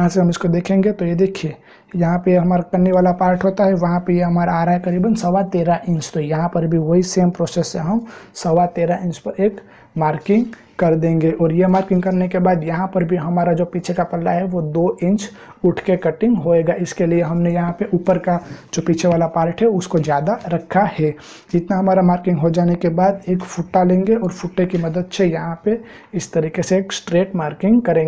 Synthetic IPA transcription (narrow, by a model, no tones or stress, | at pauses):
jɐɦãseɦɐmɪskod̪eːkʰẽːŋɡet̪ojed̪eːkʰie | jɐɦãpeɦɐmaːɾakɐnːeʋaːlapaːɾʈʰɦoːt̪aɦɛʋɐɦãpejeɦɐmaːɾaaːɾaːjkɐɾiːbənsɐʋat̪eːɾaʔɪ̃ɲt͡ʃt̪ojɐɦãpəɾbʱiʋɐɦiseːmpɾoːsesːeɦɐmsəʋat̪eːɾaʔɪ̃nt͡ʃpɐɾeːk | maːɾkɪ̃ŋɡ | kɐɾd̪ẽːŋɡeʔɔːɾjemaːɾkɪ̃ŋɡkɐɾnekebaːd̪jɐɦãpɐɾbʱiɦɐmaːɾad͡ʒopiːt͡ʃʰekapɐlːaɦɛʋod̪oʔɪ̃ɲt͡ʃ | ʊʈʰkekɐʈɪ̃ŋɡɦoeːɡaʔɪskelieɦɐmnejɐɦãpeʔuːpəɾkad͡ʒoːpiːt͡ʃʰeʋaːlapaːɾʈʰɦɛʊskozjaːd̪aɾɐkʰːahɛː | d͡ʒɪt̪naɦɐmaːɾamaːɾkɪ̃ŋɡɦod͡ʒaːnekebaːd̪eːkfʊʈːalẽːŋɡeɔːɾfʊʈːekimɐd̪əd̪̚t͡ʃʰejɐɦãpe | ɪst̪ɐɾiːkeseːksʈɾeːʈmaːɾkɪ̃ŋɡkɐɾẽː